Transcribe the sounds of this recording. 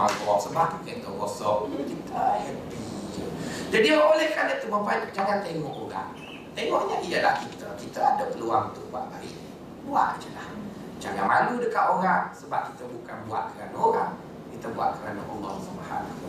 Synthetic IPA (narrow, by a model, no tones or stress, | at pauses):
a̰kɔɔʔsəmaukəntk̪əɡɔsɔʔjəkit̪əəbid͡ʒəd͡ʒadiolɛhkaləʔt̪uməbaikd͡ʒaŋant̪eŋɔʔoɾa̰ŋ | t̪eŋɔʔɲaʔijəlahkit̪əkit̪əadəpəluaŋut̪ʊʔbua̰ʔ̚baɾḭ | bua̰ʔd͡ʒəlah | d͡ʒa̰ŋanmaludəkaʔ̪oɾaŋsəbap̚kit̪əbukanbua̰ʔ̪̚kəɾanaoɾaŋ | kit̪əbua̰ʔ̪̚kəɾa̰nə̰ʔo̰ŋɔ̰hsəmaha̰